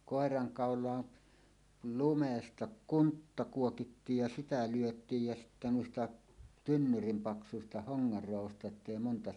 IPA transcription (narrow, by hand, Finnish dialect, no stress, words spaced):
koˑerɑŋkɑˑolˑɑːn lumestɑ kuntːɑ kuokitːiːj jɑ sitæ lyøtˑiːj jæ sitːæ nuistɑ tynːyrim pɑksusistɑ hoŋːɑr roɑʋostɑ etːei montɑ